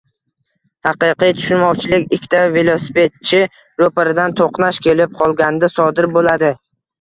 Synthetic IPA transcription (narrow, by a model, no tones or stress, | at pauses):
hɑqɨqɨjt̪ʰʊ̥ʃʊnmɒwt͡ʃʰɪlɪkʲɪkʲʰːt̪ʰave̞lˠosɪpe̞t̪̚t͡ʃʰɪ | ɾopaɾɪd̪ant̪ʰoqnaʃkʲʰe̞lɪp̚qʰɒlˠɡʲand̪asɒd̪ɪɾbolad̪ɪ